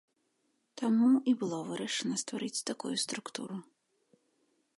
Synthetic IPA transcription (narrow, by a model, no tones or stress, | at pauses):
t̪amuibɨlˠɔvɨɾɐʂɛnɐst̪vaɾɨt͡sʲt̪akujust̪ɾukt̪ṵɾu